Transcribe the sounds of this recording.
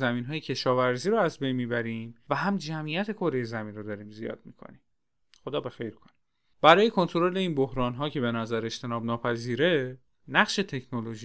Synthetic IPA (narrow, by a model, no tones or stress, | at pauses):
zæmiːnɦɒːjecʰe̞ʃɒːvæɾziːɾoæzbe̞jnmiːbæɾimvæɦæmd͡ʒæmijæt̪ʰe̞kʰoɾe̞je̞zæmiːnrod̪ɒːɾiːmzijɒ̰ːd̪̥̚mḭːkʰo̰nim | xod̪ɒːbe̞xejɾkʰoni | b̥æɾɒːje̞kʰont̪ʰoɾole̞iːnbohɾɒːnɦɒːcʰe̞be̞næzæɾe̞ʃt̪ʰe̞nɒːbnɒːpʰæziːɾe̞ | næχʃe̞t̪ʰe̞cʰnolo̞ʒi